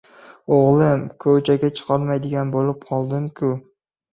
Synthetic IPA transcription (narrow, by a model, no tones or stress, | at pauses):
oʁlˠɪmkʰɵwt͡ʃʰaɡʲat͡ʃʰɨ̥qʰɑɾmajd̪ɪɡʲanbolɪp̚qʰɒlˠd̪ɪmkʰʲʊ